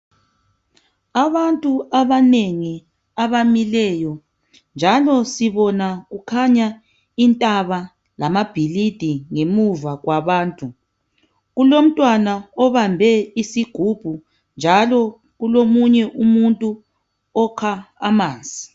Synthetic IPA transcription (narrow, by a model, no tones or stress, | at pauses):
aβantʼuaβaneŋi | aβamilɛːjɔ | nd͡ʒʱalɔsiβɔnaɣukʰaɲa | intʼaβa | lamab̥ʱilid̥ʱiŋemuvaɣwaβaːntʼu | ɣulom̩tʼwanaɔβambʱɛisiɡ̥ʱub̥ʱu | nd͡ʒʱalɔ | ɣulomuɲɛʔumuntʼu | ɔkʰaːmaːnd͡zʱi